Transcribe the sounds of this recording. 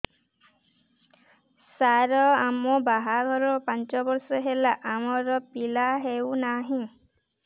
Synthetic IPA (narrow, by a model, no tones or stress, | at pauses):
saɾɔamɔbaɦaɡʱɔɾɔpant͡ʃɔbɔɾsɔɦelaʔamɔɾɔpilaɦewnaɦĩ